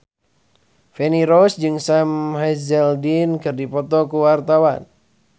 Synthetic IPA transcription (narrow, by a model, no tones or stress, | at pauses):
fɛniɾɔsd͡ʒɨŋsamhazɛldinkɨrdipɔt̪ɔkuwart̪awan